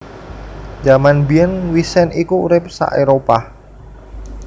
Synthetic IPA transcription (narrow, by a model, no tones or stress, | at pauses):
d͡ʒamanbiənwisɛnikuːɾɪp̚sa̰ʔeɾopa